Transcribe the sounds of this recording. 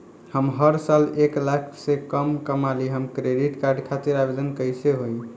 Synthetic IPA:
həmɦəɾsaleklakʰsẽkəmkəmaliɦəmkɾeɖiʈkaɾɖkʰat̪iɾabed̪ənkəjseɦoi

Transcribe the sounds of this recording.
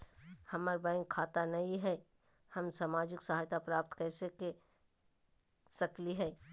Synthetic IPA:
hɐməɾbãɪ̃ŋkʰːaːt̪anɐĩɦɛ | hɐmsaːmaːd͡ʒɪksəɦaːjt̪apɾaːp̚t̪kɛːseke | sɐkliɦɛ

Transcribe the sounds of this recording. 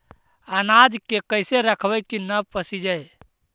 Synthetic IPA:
ənad͡ʒkekəɪseɾəkʰbəkinəpəsid͡ʒəj

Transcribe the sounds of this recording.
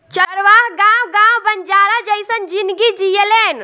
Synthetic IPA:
t͡ʃəɾʋaɦɡãmɡãmbənd͡ʒaːɾad͡ʒəjsənd͡ʒind̪ɡid͡ʒijelen

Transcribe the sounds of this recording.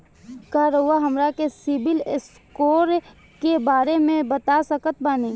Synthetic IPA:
kaːɾowaɦɐmɾakesɪbɪls | koːɾ | kebaːɾemẽbɐt̪asɐkət̪̚baːniː

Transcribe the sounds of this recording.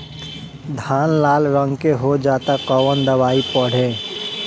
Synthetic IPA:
d̪ʱaːnlaːlɾə̃ŋɡkeɦod͡ʒaːt̪akɔwənd̪əʋaːipəɽ̤e

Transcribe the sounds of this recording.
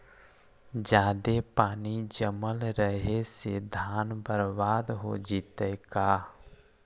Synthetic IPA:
d͡ʒaːd̪epaːnid͡ʒəməlɾəɦesed̪ʱaːnbəɾbaːd̪ɦod͡ʒit̪əkaː

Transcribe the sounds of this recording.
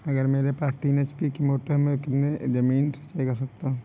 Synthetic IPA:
ɐɡəɾmeːɾepaːst̪iːnet͡ʃpikimoːʈəɾmẽkɪt̪ned͡ʒɐmiːnt͡ʃaekɐɾsɐk̚t̪ã

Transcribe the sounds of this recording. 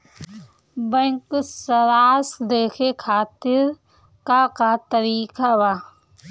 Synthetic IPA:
bɛ̃ŋksəɾaːsd̪eːkʰekʰaːt̪ɪɾ | kaːkat̪əɾiːkawaː

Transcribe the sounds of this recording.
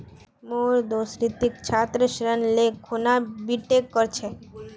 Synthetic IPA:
moɾd̪osɾit̪ikt͡ɕʰat̪ːɾeʃɾənlekʰunabiʈekːoɾt͡ɕʰe

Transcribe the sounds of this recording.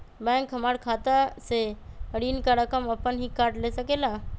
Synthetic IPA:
bɛ̃ːŋkɦɐmaːɽkʰaːt̪aseəɽiːnkaɾəkəməpːənɦikaːɾʈleːsəkelaː

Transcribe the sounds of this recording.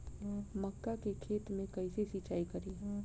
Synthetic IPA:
mɐkːakekʰeːt̪mẽkɐisesit͡ʃaːikɐɾiː

